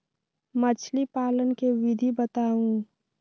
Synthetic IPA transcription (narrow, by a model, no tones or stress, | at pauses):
mət͡ʃʰlipaːlənkeʋɪd̪ʱibət̪aːũː